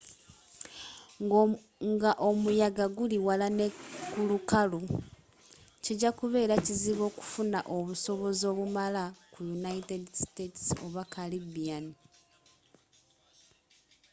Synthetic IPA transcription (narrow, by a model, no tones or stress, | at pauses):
ŋɡaʔo̞mujaɡaɡuliwalanekulukalu | ciɟakuβe̞ːɾaciziβo̞ːku̥funaʔo̞βuso̞βo̞zo̞ːβumalakujunaitedstetsoβakalibiani